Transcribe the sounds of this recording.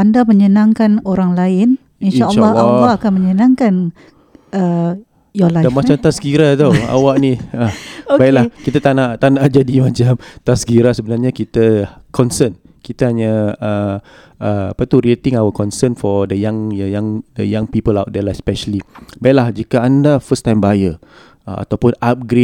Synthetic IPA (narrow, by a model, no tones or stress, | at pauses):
andaməɲənãŋkanoɾaŋlaɪn | inanʔəʃlːɔhlːɔakanməɲənãŋkan | ʔə | jɔlajdamat͡ʃamt̪asɡiɾat̪oa̰waʔniəobaʔlahkit̪at̪anaʔt̪anaʔd͡ʒadimat͡ʃamt̪asɡiɾasəbənarɲakit̪əkʰɔnsən | kit̪ahaɲaə | ʔəa̰pat̪uɾit̪ɪ̃ŋawəkɔnsənfɔdəjãŋjəjãŋəjaŋpipəlawt̪̚dɛlaspɛʃəlibaiʔlahd͡ʒikaandafəst̪ãjmbəajə | əa̰t̪awpʊnap̚ɡɾe